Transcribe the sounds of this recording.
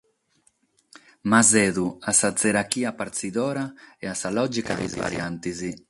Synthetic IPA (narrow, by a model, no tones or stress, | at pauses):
mazɛðuasazeɾakiapaɾt̪siðɔɾaeasalɔd͡ʒikad̪ḭzva̰ɾjant̪izi